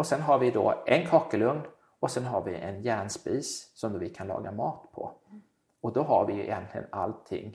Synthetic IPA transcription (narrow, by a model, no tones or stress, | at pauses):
ɔsɛnɦaɾvɪd̪ɔ̰ʔɛnkʰɑːkəlɵŋn | ɔsɛnɦaɾvɪʔɛnjæːɳspiːssɔmd̪ovɪkʰanlɑ̰ːɡamɑːt̪pʰɔ̰ | ɔd̪ɔɦaɾvɪjɵɪ̰jɛ̰nt̪lɪɡə̰na̰lt̪ʰːɪ̰ŋː